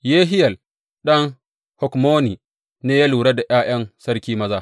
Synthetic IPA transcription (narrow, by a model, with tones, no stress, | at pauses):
jeː˦ɦɪ˦jɐ˨l | ɗɐ˦ŋ | hɔ˨kmoː˦ni˨ | neː˦ja˦luː˨ɽa˦da˨j̰aː˦j̰ɐ˦nsɐ˦ɾkʲiː˦mɐ˦zaː˦˨